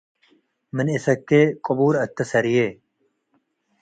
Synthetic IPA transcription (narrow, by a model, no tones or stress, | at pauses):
mənisɐkːekʼobuːɾɐt̪ːɐsɐɾijeː